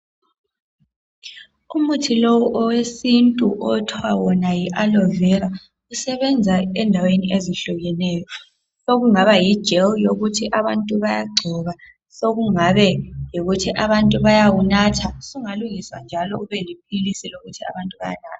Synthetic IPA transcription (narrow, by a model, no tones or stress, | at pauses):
umutʰilɔwɔʔɔwesintʼuʔɔtʰwawɔnajiʔalɔvɛɾa | usɛβɛnd͡zʱaɛndʱaweniʔeziɬuɣɛnɛːjɔ | soɣuŋaβaji̥ʒ̥ʱɛljoɣutʰiʔaβantʼuβajaɡ͡ǀʱɔβa | soɣuŋaβɛjoɣutʰiʔaβantʼuβajawunatʰasuŋaluŋiswa̰nd͡ʒʱalɔuβɛlip̚ʰilisiloɣutʰia̰βantʼuβa̰ja̰na̰ːtʰḁ